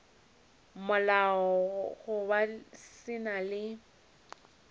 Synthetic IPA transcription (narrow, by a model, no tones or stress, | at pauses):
mʊlaɔɣʊbasɪnalɪ